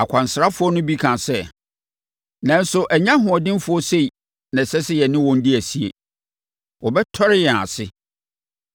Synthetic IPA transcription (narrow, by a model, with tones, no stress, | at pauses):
a˨kʷʰã˨nsɾa˦fʊ˦ɔ˦nʊ̃˦bi˦kʰã˨sɛ˦ | nã˨n̩˦sʊ˨ʔɛ˨ɲã˦ɦʊ̃˨ɔ˨dɪ̃˦m˦fʊ˦ɔ˦se˦i˨ | nã˨sɛ˦sɪ˦jɛ˨nɪ̃˦wɔ̃˨n˦dɪ˦æ˨si˦ḛ˨ | wɔ˨bɛ˦tʰɔ˦ɾɪ˦jɛ˨a̰˨sɪ˦